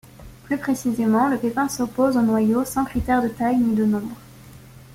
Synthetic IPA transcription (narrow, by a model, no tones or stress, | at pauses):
plypχesizemɑ̃ləpepɛ̃sopozonwajosɑ̃kχit̪ɛʁd̪ət̪ajnid̪ənɔ̃bʁ